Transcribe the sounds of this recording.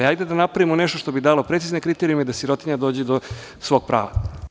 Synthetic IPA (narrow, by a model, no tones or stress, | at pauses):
ajd̪ed̪anapɾaʋimoneʃt̪oʃt̪o̞bid̪aːlˠo̞pɾet̪sizne̞kɾit̪eɾiumed̪asiɾo̞t̪iɲad̪oːd͡ʑed̪o | sʋo̞ɡ̚pɾʔa̰ːʋa̰